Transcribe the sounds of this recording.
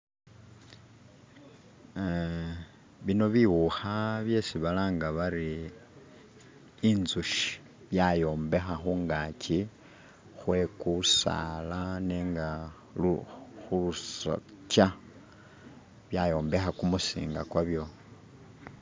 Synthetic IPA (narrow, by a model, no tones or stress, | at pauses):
βino̞βiwuxaβje̞siβalaːŋɡaβaɾi | nzuʃi̥ | βjajo̞ːmbe̞xaxuŋɡaci | xwe̞kusa̰laneːŋɡa | uxulusa̰ca | βjajo̞ːmbe̞xakumusḭːŋɡakwaβjo̞